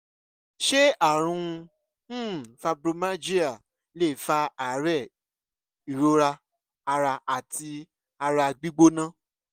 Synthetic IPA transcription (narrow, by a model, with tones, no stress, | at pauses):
ʃe˦a˦˨ɾ̃ũ˧˦˨ | fa˧bɾo˧mã˦d͡ʒi˦a˦˨ | le˦˨fa˧˦a˨˦ɾɛ˦˨ | i˨ɾo˨˦ɾa˧ | a˧ɾa˧a˨tʰi˧ | a˧ɾa˧ɡ͡bi˦ɡ͡bo˦nã˦˨